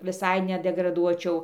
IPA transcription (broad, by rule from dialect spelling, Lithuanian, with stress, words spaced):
ʋʲɪˈsɐɪ nʲɛdʲɛɡrɐˈduɔt͡ʃʲɛʊ